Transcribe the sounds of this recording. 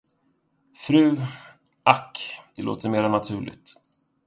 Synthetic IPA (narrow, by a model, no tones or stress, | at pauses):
fɾʉ̟ː | akːd̪ɛlo̰ːt̪ʰəɾmeːɾanat̪ʰʉ̟ːɭɪ̰ɡ̚t̪